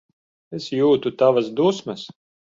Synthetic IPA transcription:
esjuːt̪ut̪avasd̪usmɐs

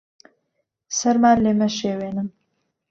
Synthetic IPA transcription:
saɾmalemaʃewenəm

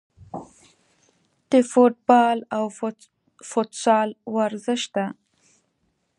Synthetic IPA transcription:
d̪̥əfʊʈ̚bɑlaw | fʊt̪sɑlwaɾzəʃd̪a

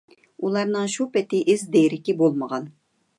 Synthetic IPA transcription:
ulˠɑɾnɨŋʃupɛt̪ɪʔɪzd̪ejɾɪkʲibolˠməʁɑn

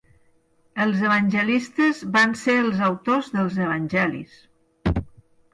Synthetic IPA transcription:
əlˠzəβənʲʒəlist̪əzβanseəlˠzəwt̪ozðəlˠzəβ̞ənʲʒɛlḭs

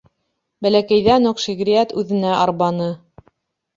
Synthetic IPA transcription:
bælækæjðænoqʃiɣɾʲiæt̪ʉðɘ̆næʔɑɾβɑnɤ

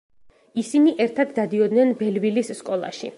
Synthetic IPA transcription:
isiniʔɛɾt̪ʰad̪ːad̪iɔd̪nɛnbɛlvilisːkʼɔlˠa̰ʃḭ

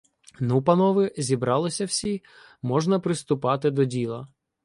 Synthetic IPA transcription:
nupɐnɔʋɪzʲibɾɑlˠɪsʲɐw̥sʲi | mɔʒnɐpɾɪst̪ʊpɑt̪ɪd̪ɔdʲilˠɐ

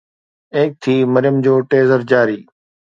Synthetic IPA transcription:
eːk̚t̪ʰiːməɾɪjəmd͡ʑoːʈeːzəɾd͡ʑaːɾiː

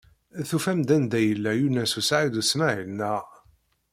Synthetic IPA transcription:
θufæmd̪ænd̪æjəlːæjunæsusʕid̪usmæʕinːæ

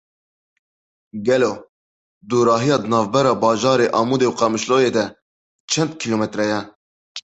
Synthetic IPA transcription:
ɡɛloː | d̪uːɾɑːɦijɑːd̪ənɑːvbɛɾɑːbɑːʒɑːɾeːʔɑːmuːd̪eːwqɑmɨʃloːjeːd̪ɛ | t͡ʃʰɛnd̪kʰiloːmɛt̪ɾɛjɛ

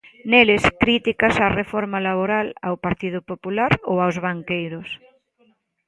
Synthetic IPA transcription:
nelɪskɾit̪ikasarefɔɾmalaβoɾala̰wpaɾt̪iðʊpopulaɾowawzβaŋkejɾʊs

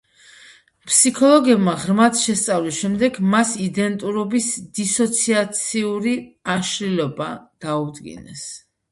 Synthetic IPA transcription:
pʰsikʰɔlˠɔɡɛbmaʁɾmat̪ʰʃɛst̪sʼavlisʃɛmd̪ɛɡmasid̪ɛnt̪ʼuɾɔbisd̪̥isɔt̪sʰiat̪sʰiuɾiaʃlilɔbad̪̥aud̪ɡḭnɛ̰s

